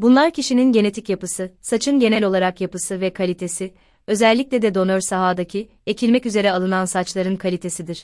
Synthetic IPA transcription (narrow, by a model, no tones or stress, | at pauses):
bunlˠaɾcʰiʃininɟe̞ne̞t̪ʰicjapɯsɯsat͡ʃʰɯnɟe̞nɛlʲo̞lˠaɾakjapɯsɯvɛkʰalʲit̪ʰe̞sɪ | ø̞zælʲːic̚lʲɛd̪ɛd̪o̞nøɾsaɦaːd̪acʰi | ecʰilʲmɛcyze̞ɾɛalˠɯnansat͡ʃlˠaɾɯnkʰalʲit̪ʰe̞sid̪iɾ̥